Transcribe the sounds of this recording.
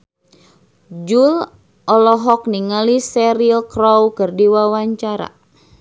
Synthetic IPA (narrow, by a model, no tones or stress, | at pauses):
d͡ʒul | ɔlɔɦɔk̚niŋalisɛɾilkɾowkərdiwawaɲt͡ʃaɾa̰